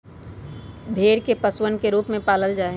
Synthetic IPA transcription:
bʱeːɽkepəswənkeɾuːpmẽpaːləld͡ʒaːɦe

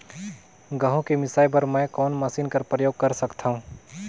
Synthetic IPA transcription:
ɡɐɦõkemɪsaːjbɐɾmɛ̃ːkɔːnmɐsiːnkɐɾpɾəjoːɡ̚kɐɾsɐkt̪ʰaɦũː

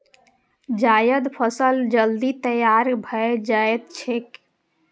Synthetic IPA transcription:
d͡ʒajəd̪pʰəsəld͡ʒəld̪it̪əjaɾbʱəed͡ʒaet̪t͡ʃʰek

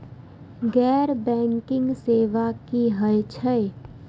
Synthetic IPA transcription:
ɡɛːɾbɛ̃ːŋkɪ̃ŋɡseːʋakiɦəet͡ʃʰəe

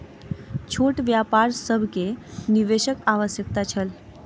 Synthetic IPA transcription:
t͡ʃʰoʈʋjapaɾsəbʱkeniʋeʃəkaʋəsjək̚t̪at͡ʃʰəl

